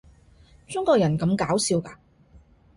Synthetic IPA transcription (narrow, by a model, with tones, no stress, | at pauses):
t͡ʃʊ˥ŋkɔː˧jɐ˨˩nkɐ˨˧˥mkaː˨˥wsiː˧wkaː˧